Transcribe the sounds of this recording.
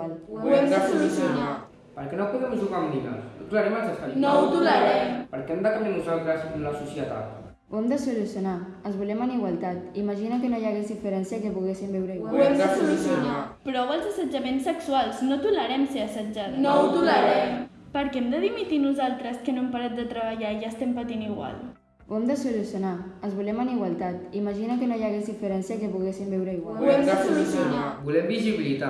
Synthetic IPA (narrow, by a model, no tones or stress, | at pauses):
luɛmd̪əsulusjuna | pəɾkɛnopuðɛmuʒuɣamd̪ina̰t̪ulaɾɛmalzəsanout̪uləɾɛmpəɾkɛmd̪əkambjanuzalˠt̪ɾəzlasusjət̪a̰t̪ | wɛmd̪əsulusjuna | ənzβulɛmaniɣwalˠt̪at̪imaʒinakənojaɣezðifəɾɛnsjakepuɣesimbɛwɾəiwauɛmd̪əsulusjunaapɾɔwəlˠzəsəd͡ʒɐmensːəksualˠznot̪uləɾɛmseəsəd͡ʒat̪not̪uləɾɛm | pəɾkɛmd̪əð̞imit̪inuzalˠt̪ɾəskənoempaɾat̪̚d̪ət̪ɾəβəʎaiʒast̪ɛmpət̪iniɣwa̰lˠ | uɛmd̪əsulusjunaənzβulɛmaniɣwalˠt̪at̪imaʒinakənojaɣezðifəɾɛnsjakepuɣesimbiwɾəiɣwaluɛmd̪əsulusjunabulɛmbiziβilit̪a